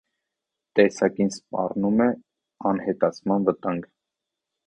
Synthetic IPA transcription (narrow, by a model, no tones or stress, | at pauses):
t̪ɛsɑkinspɑ̰rnumɛ | ɑnhɛt̪ɑt͡sʰmɑnvət̪ɑŋɡ